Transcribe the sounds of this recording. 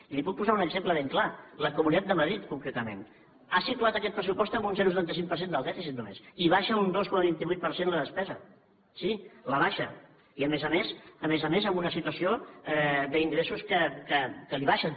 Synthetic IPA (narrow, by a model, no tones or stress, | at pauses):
ilipuk̚puzaunəɡzempləβeŋklaləkumunit̪atd̪d̪əməðɾit̪kuŋkɾet̪əmḛ̃n | asit̪uat̪əkɛt̪̚pɾəs̬upɔst̪əmbunsenusət̪ant̪əsiŋ̚pəɾsend̪əlˠd̪ɛfisit̪̚numḛsiβaʃəund̪oskɔməβint̪iβujt̪̚pəɾsenləðəspɛzə | siləβ̞aʃə | iəmezəmesəmezəmezəmbunəsit̪uəsioɛðəiŋdɾesuskəkəkəliβaʃən